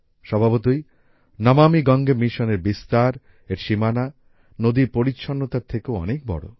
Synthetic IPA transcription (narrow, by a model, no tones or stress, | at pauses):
ʃɔbʱabot̪oj | nɔmamiɡɔŋɡemiʃɔneɾbist̪aɾ | eɾʃimana | nod̪iɾpoɾitːʃʰonːot̪aɾt̪ʰekeoɔ̰nek̚bɔ̰ɽo̰